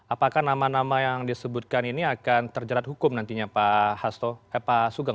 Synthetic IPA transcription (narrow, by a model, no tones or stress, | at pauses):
apakahnamanamajaŋdisəbʊt̪̚kaniniakant̪ərd͡ʒaɾat̪̚hukʊmnant̪iɲapahast̪ɔɛpasuɡaŋ